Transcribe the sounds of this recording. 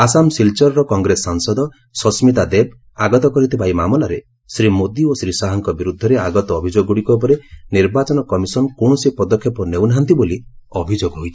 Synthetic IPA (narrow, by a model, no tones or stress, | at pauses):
asamsilt͡ʃɔɾɾɔkɔŋɡɾesːaŋsɔd̪ɔ | sɔsmit̪ad̪eb̚ | aɡɔt̪ɔkɔɾit̪ʰibaimamɔlaɾe | sɾimod̪iosɾisaɦɔŋkɔbiɾud̪ʱːɔɾeaɡɔt̪ɔːbʱid͡ʒoɡuɽikɔp̬ɔɾeniɾbat͡ʃɔnɔkɔmisɔnkoɳ̃ɔsipɔd̪ɔkʰːjɔpɔnewnɦant̪iboliɔbʱid͡ʒoɡɦojt̪ʰi